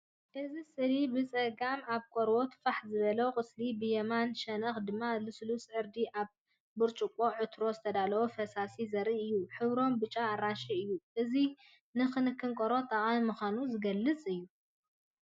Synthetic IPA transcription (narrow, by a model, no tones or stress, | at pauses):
ʔɨzisɨɾibɨt͡sʼɐɡamaβkʼoɾwo̞t̪ʰfaħzɨβɐlɐwkʼɨslibɨjɛmanʃɐnɐxd̪ɨmːalɨslusʕɨɾd̪iʔaβ | bɨɾt͡ʃʼukʼo̞ʕɨt̪ʰɾo̞zɨt̪ʰɐd̪alɐwofɐsasizɐɾiʔɨjːuħɨβɾo̞mbɨt͡ʃʼaːɾaʃiɨjːuʔɨzi | nɨxɨnɨkʰːɨŋkʼɐɾo̞t̪ʼɐχʼanmuxʷanuzɨɡɐlːɨt͡sʼɨjːu